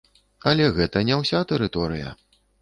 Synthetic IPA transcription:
ɐlʲɛɣɛt̪ɐnʲɛwsʲat̪ɛɾɨt̪ɔɾɨjɐ̰

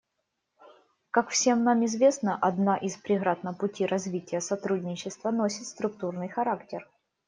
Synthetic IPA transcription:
kakfsʲe̞mnamɪzvʲe̞snəʔɐd̪naʔɪspɾʲɪɣɾat̪nəpʊtʲiɾʔɐzvʲitʲɪjəsɐt̪ɾudʲnʲɪt͡ɕːɪst̪vənosʲɪt̪st̪ɾʊk̚t̪urnɨjxɐɾaktʲɪr

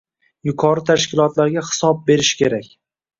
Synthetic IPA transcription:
jʊkʰɒɾɪt̪ʰaʃkʲɪlˠɒt̪laɾɡʲahɪ̥sɒb̚be̞ɾɪʃkʲʰe̞ɾakʲ

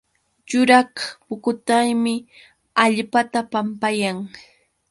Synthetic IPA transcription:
jʊɾɑhpʊkʊt̪ajmɪ | aʎpat̪apampajaŋ

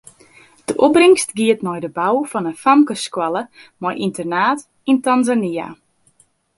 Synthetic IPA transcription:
d̥əʔubrɪŋstɡiətnɔjdəbawfɔnənfamkəskwaləmɔjʔintərnaːt | intanzania̰

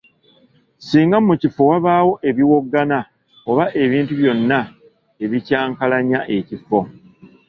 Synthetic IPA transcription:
siːŋɡamucifo̞waβaːwo̞ʔe̞βiwo̞ɡːana | oβaʔe̞βiːntuβjo̞nːa | e̞βicaːŋkalaɲaʔe̞cifo̞

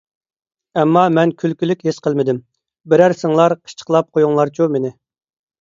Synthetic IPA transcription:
ɛmːɑmɛnkʲʰylkʲylykʲɦɪsqəlˠmɪd̪ɪm | bɪɾæɾsɪŋlˠɑɾqʰə̥ʃt͡ʃʰə̥qlˠɑp̚qʰojuŋlˠɑɾt͡ʃʰumenɪ

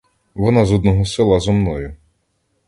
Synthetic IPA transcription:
ʋɔnɑzɔd̪nɔɦɔsɪlˠɐzɔmnɔjʊ

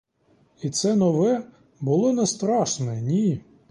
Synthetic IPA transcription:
it̪sɛnɔʋɛ | bʊlˠɔnɛst̪ɾɑʃnɛnʲi

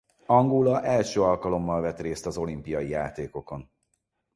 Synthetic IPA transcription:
ɒŋɡolɒʔɛlʃøːɒlkɒlo̞mːɒlvɛt̪reːst̪ɒzo̞limpijɒjijaːt̪eːko̞ko̞n

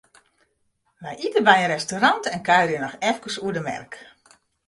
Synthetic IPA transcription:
ʋɛjʔitəbɛjərɛstoɾantɛnkaɥɾjənɔxɛfkəsuədəmɛ̰rk

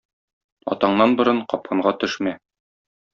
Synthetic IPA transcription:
ɒ̰t̪ɑɴnɑnbɤ̆ɾɤɴqɒp̚qɤ̆ɴɢɑt̪ɵ̆ʃmæ

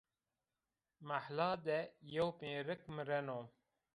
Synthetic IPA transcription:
maħlaːd̪ɛjowpẽːɾɨkmɨɾɛnoːm

